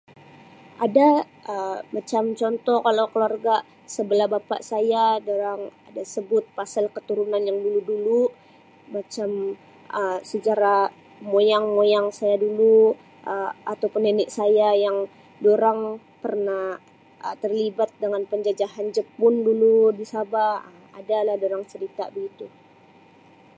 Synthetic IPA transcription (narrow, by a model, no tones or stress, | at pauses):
ʔada | əmat͡ʃamt͡ʃɔnt̪ɔkalawkəluarɡa | səbəlahbapa̰ʔsajadoɾaŋadasəbʊt̪̚pasalkət̪uɾunanjaŋduludulu | mat͡ʃam | ʔəsəd͡ʒaɾa | mojaŋmojaŋsajadulu | ʔəat̪awpʊnːenɪʔsajajaŋ | doɾaŋ | pərnah | ʔət̪ərlibat̪̚dəŋanpəɲd͡ʒad͡ʒahand͡ʒəpʊnduludisabaəmadalahdoɾaŋt͡ʃəɾit̪a̰bəɡit̪u